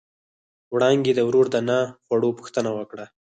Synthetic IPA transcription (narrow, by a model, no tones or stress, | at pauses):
wɽɑŋɡed̪əwɾoɾd̪ənɑxwaɽopu̥xt̪ənawəkɽa